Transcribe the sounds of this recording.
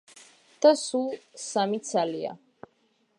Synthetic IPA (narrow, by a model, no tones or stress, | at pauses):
d̪̥asulˠsamit̪sʰalia̰